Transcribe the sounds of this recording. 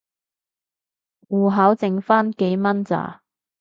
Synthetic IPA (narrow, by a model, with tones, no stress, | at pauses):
wuː˨˩ɦa˨˥wt͡sɪ˨ŋfaː˥nke˨˥jmɐ˥nt͡sa̰ː˨˩